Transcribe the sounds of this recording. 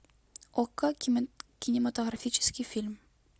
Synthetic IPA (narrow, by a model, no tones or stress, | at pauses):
okːakʲinʲɪmat̪oɣrafʲit͡ɕɪ̥skʲifʲilʲm